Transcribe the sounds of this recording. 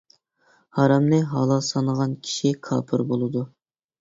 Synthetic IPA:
hɑɾɑmlɨɦɑlˠɑsɑnəʁɑnkʲʰi̥ʃikʰɑ̰ːpʰɨɾbolˠɨd̪u

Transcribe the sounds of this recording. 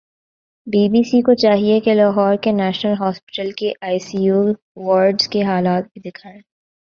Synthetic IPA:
biːbiːsikot͡ʃaːɦiekelaːɦɔːɾkenɛːʃnəlɦɔːspɪ̥ʈəlkeʔaːɪsiːjuː | ʋɔːɾɖz̥keɦaːlaːt̪̚bʱid̪ɪkʰaːẽː

